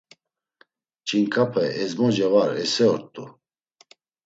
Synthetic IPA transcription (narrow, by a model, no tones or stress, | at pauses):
t͡ʃʼiŋkʰʼapʰɛɛzmɔd͡ʒɛvaɾɛsɛɔɾt̪ʼu